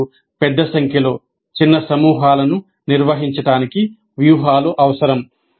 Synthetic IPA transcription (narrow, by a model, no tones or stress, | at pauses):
pɛd̪ːɐsɐŋkʰjɐlo̞ː | t͡ʃinːɐsɐmuːɦaːlɐnu | niɾʋɐɦiɲt͡ʃɐʈaːniki | ʋjuːɦaːluʔɐʋɐsɐɾɐm